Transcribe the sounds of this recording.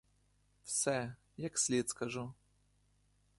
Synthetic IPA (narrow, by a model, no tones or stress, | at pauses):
fsɛ | jaksʲlʲet̪skɐʐu